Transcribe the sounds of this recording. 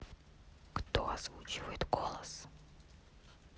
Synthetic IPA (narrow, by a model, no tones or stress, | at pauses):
kt̪oɐz̥vut͡ɕɪvəjɪt̪ɡolˠəs